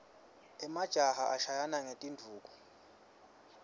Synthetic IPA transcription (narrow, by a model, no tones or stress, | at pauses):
ɛmad̥ʒ̥ʱahaʔaʃajanaŋetʼindʱuːk̬ʼu̥